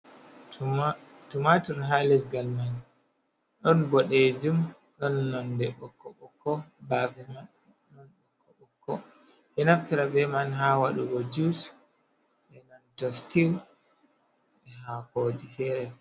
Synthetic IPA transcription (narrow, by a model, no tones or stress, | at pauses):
tumatɔɾɦalɛsɡalman | ɗɔnbɔɗed͡ʒum | ɗɔnːɔndɛɓɔkːɔɓɔkːɔbavɛmaɗu | nɔnɓɔkʰːɔɓɔkːɔ | ʔɛnaftaɾabɛmanɦawaɗuɡɔd͡ʒus | ʔɛnɔntɔstiw | ɛɦahoːd͡ʒifɛɾɛfɛ